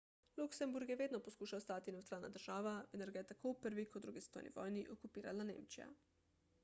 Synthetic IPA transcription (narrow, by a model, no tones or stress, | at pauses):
luksɛmbuɾɡjɛʋeːd̪nɔpɔskuːʃawst̪aːt̪inɛwt̪ɾaːlna̰d̪əɾʒ̥aːʋaɛnɛɾɡajɛt̪akʰowpəɾʋikɔd̪d̪ɾuːɡist̪ɔ̰ːjnʔḭʋɔ̰ːjniʔɔkupiːɾalanḛːmt͡ʃija̰